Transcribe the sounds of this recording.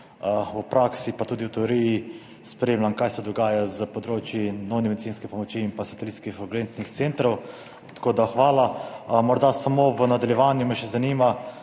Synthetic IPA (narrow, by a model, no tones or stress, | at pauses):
upɾaksipat̪uːd̪iwt̪ɛoɾiji | spɾeːmlʲamkaːjsɛd̪ɔɡaːjazəpɔd̪ɾoːt͡ʃjinɔwnɛmɛd̪it̪t͡s̪inskɛpɔmɔt͡ʃiːmpasat̪ɛlit̪skixɾɔɡɾent̪nixt̪sent̪ɾɔw | t̪ḁkoːd̪axʋaːlamɔɾd̪asamoʋənad̪aljɛʋaːnjumɛʃɛzaniːma